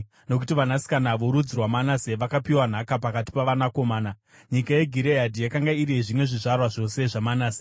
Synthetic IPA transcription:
no̞k̬utiʋanasi̥kanaʋo̞ɾud͡zirwamanaseʋakapiwan̤akapakati̥paʋanako̞maːna | ɲikajeɡʱiɾeɦadʱijakaŋɡaiɾiʐimwe̞ʐiʐarwaʐo̞se̞ʐamanaːse

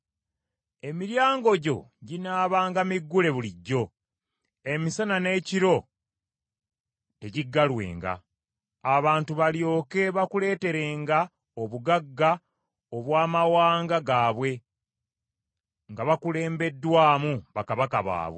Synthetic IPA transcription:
e̞miɾjaːŋɡo̞ɟo̞̰ɟinaːβaːŋɡamiɡːule̞βuliɟːo̞ | e̞misanane̞ːciɾo̞ | te̞ɟiɡːalwe̞̰ːŋɡa̰ | aβaːntuβaljo̞ːke̞βakule̞ːte̞ɾe̞ːŋɡa | oβuɡaɡːa | oβwaːmawaːŋɡaɡaːβwe̞ | ŋɡaβakule̞ːmbe̞dːwaːmuβakaβakaβa̰ːβwe

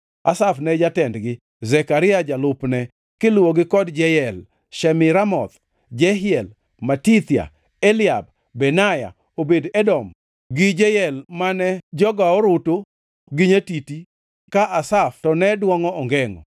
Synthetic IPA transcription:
asafnɛd͡ʒatɛndɡɪ | zɛkaɾɪad͡ʒalʊpnɛ | kɪlwoɡɪkɔdd͡ʒɛjɛl | ʃɛmɪɾamɔt̪ | d͡ʒɛɦɪɛl | matit̪ja̰ | ɛlɪab̚ | bɛnaja̰ | obedɛdɔm | ɡɪd͡ʒɛjɛlmanɛd͡ʒɔɡaɔɾʊto | ɡɪɲetiti | kaʔasaftɔnɛdwɔŋɔɔŋɡɛŋɔ̰

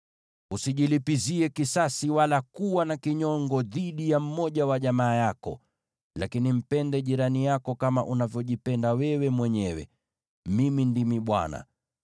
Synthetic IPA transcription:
usiʄilipiziɛkisasiwalakuwanakiɲɔŋɡɔðiɗijam̩mɔʄawaʄamaːjakɔ̰ | lakinim̩pɛndɛʄiɾanijakɔkamaʔunavjɔʄipɛndawɛwɛmwɛɲɛwɛ̰ | mimindimiɓwa̰na̰

